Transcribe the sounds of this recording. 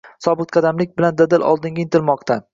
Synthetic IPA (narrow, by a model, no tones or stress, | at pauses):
sɒbɨq̚qʰɑd̪amlɪk̚ʲbɪland̪ad̪ɪlɒ̰lˠd̪ɪŋɡʲaɪnt̪ʰɪlmɒqt̪ʰa